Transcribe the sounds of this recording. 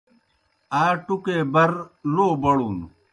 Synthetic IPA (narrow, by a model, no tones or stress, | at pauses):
aːʈukeːbɐɾloːbɐɽuːn